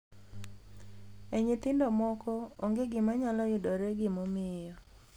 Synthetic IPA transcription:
eɲɪt̪ɪndɔmɔkɔoŋɡeɡɪmaɲalɔjʊdɔɾeɡɪmomɪjɔ

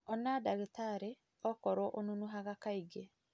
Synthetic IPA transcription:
ɔnadaɣetaɾe | ɔkɔɾɔʔonunuɦaɣakaiɡe

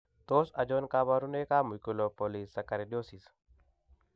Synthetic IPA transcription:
t̪oːsɐd͡ʒoːnkaːbaɾunekaːmukulopolisːɐkɐɾeɗjoːsis

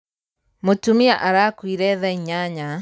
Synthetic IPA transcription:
motumiaʔaɾaːkwiɾɛðɛɲaɲa

